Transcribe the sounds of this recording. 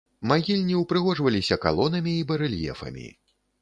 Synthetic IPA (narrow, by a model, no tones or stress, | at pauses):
maɣʲilʲnʲiwpɾɨɣɔʐvɐlʲisʲɐka̰lˠɔnɐmʲiːbɐɾɨlʲjɛ̰fɐ̰mʲḭ